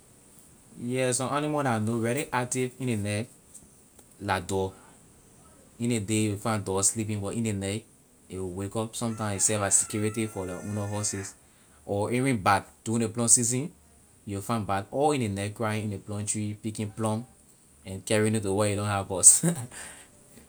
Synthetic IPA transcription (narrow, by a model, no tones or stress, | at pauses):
jɛsɔ̃animadanoɹɛliʔak̚tivĩnenɛk | ladɔ | ĩnedejufãɪ̃ndɔslip̬ĩnbɔtĩnenɛk | ewiwekɔpsɔ̃mtãɪ̃msisɛvasikjuɹitifɔlɔʔũnɔɦɔsis | ʔɔɛɹĩnbaɡ̚d̥uĩneplɔ̃msizĩn | jufãnbakɔlĩnenɛk̚kɹaĩnĩneplɔ̃ntɹipikĩnplɔ̃m | ɛ̃nkɛɹĩnjutowɛjidɔ̃nɦavɔs